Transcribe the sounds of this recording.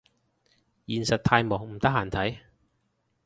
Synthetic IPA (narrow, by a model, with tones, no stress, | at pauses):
jiː˨nsɐ˨t̚t̪ʰaː˧jmɔː˨˩ŋm̩˨˩t̪ɐ˥k̚haː˨˩nt̪ʰɐ˨˥j